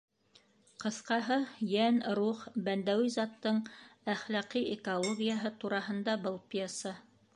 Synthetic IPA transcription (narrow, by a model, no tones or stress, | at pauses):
qɤ̆θqɑɦɤjænɾuχbænd̪æwizɑt̪ːɤɴæχlɑqiekolˠoɡʲijəɦɤt̪uɾɑɦɤ̆nd̪ɑbɤlˠpʲiesɑ